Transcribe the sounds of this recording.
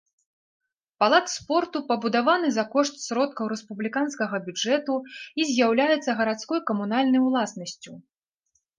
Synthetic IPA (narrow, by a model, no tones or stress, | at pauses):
palˠat̪spɔrt̪upɐbud̪avanɨzakɔʂt̪sʲɾɔt̪̚kɐwɾɛspublʲikanskɐɣɐbʲud͡ʐɛt̪uizʲjawlʲajɛt̪sːɐɣɐɾat̪skɔjkɐmunalʲnɐjwlˠasnɐsʲt͡sʲu